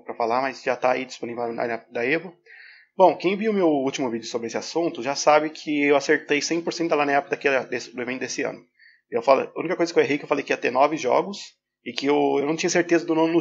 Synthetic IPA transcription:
pɾɐfalamɐzʒat̪aaid͡ʒisponivelna̰ɛpd̪ɐevʊ | bõw̃kẽj̃viʊmewut͡ʃimʊvid͡ʒʊsobɾɪesɪasũnt̪ʊʒasabɪkʰɪewaseɾt̪ejsẽj̃poɾsẽt̪ʊd̪ɐlanãɛpʊkɐd̪akɛd̪esɪd̪ʊevẽnt̪ʊd̪esɪɐ̰̃nʊ | ewfalɐ̰ṵ̃nikɐkojzɐkeweɦejkɪewfalejkɪiɐt̪ɛnɔvɪʒɔ̰ɡʊs | ɪkɪewewnɐ̃w̃t͡ʃĩɲ̃ɐseɾt̪ezɐd̪ʊnõw̃nʊ

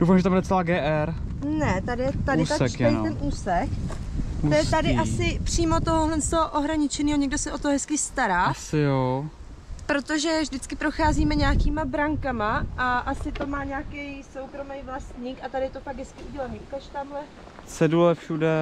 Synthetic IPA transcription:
dowfamʒɛt̪ambudɾɛt͡sɛlaːɡɛːʔɛɾnɛt̪adɪjɛt̪adɪt̪asɛkjɛɛjt̪ɛnʔuːsɛk | t̪ojɛt̪adɪʔasɪpr̝̥iːmo̞t̪oɦoɦlɛnst̪oɦoʔoɦɾaɲɪt͡ʃɛniːɦo̞ɲɛɡ̚dosɛʔo̞t̪oɦɛskɪst̪aɾaːasɪjo | pɾo̞t̪o̞ʒɛvʒdɪt͡skɪpɾo̞xaːziːmɛɲaakiːmabɾaŋkamaʔaʔasɪt̪o̞maːɲaːkɛjsowkɾo̞mɛjvlast̪ɲikʔat̪adɪjɛt̪ofaɡ̚ɡɦɛskɪuɟɛlaniːʔukaʃt̪amlɛ | sɛdulɛfʃudɛ

